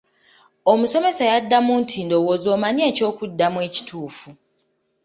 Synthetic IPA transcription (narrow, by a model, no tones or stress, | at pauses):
o̞muso̞me̞sajadːamuːntʰiːndo̞wozo̞ːmaɲieco̞ːkudːamwe̞ːci̥tʰuːfu